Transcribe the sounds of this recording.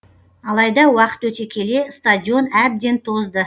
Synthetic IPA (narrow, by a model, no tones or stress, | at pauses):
ɑlˠɑjd̪ɑwɑqə̥t̪wɵt̪e̞kʲʰe̞le̞st̪adʲio̞næb̚d̪e̞nt̪ʰo̞zd̪ə